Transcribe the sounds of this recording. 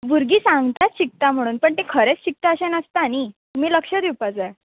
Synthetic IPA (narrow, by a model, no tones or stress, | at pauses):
ʋuɾɡiːsãŋɡt̪at͡st͡ɕik̚t̪am̤əɽ̃uːnpəɳt̪ekʰəɾet͡st͡ɕik̚t̪aəɕenəst̪anit̪um̤iːləkʂəd̪iwpat͡saj